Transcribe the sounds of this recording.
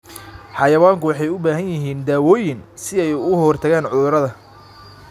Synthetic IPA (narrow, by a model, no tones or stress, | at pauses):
ħɑjɐwaːŋkʰʊwɑħɑjʊbaːɦɐnjɪɦiːnd̪aːwɔːjɪnsɪɛjɣʊɦɔrt̪ʰɐɣaːnʕʊðʊɾɐðɐ